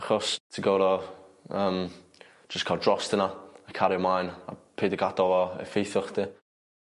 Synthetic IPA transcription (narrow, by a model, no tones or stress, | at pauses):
aχɔstʰiɡowɾɔəːm | d͡ʒ̥əskʰaːlˠdrɔstənaakʰaɾjɔmajna̰pʰeːdəɡadɔɔɛ̰fejθɔχd̥i